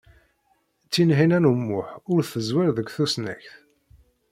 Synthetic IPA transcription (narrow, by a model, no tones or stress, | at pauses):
t͡sːinɦinænumːʊħʊɾθəzwɪɾðəkʷːθusnæ̰çθ